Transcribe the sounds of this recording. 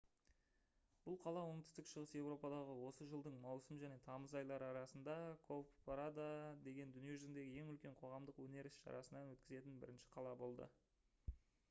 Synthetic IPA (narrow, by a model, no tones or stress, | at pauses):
b̥ʊlˠqʰɑlˠɑwoɴt̪ʏ̥st̪ɪkʃəʁəsje̞wɾo̞pɑd̪ɑʁəwo̞səʒəlˠd̪əɴmɑwsəmʒæne̞t̪ʰɑməzɑjlˠɑɾɑɾɑsənd̪ɑkʰoppɑɾad̪ad̪e̞ɡʲe̞nd̪ʏnijeʒʏzɪnd̪e̞ɡʲɪjeŋʏlkʲe̞ɴqʰo̞ʁɑmd̪əqwɵne̞ɾɪsʃɑ̰ɾɑ̰sənɑnwɵt̪kʲɪze̞t̪ɪnbɪ̰ɾɪnʃɪ̥qʰɑlˠɑbo̞lˠd̪ə̰